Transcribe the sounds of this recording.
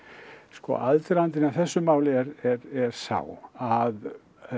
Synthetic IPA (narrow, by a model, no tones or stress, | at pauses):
skɔ̰alt̪ɾant̪ɪnaθɛsːʏmaːwlɪɛɾɛɾɛɾ̥sa̰wað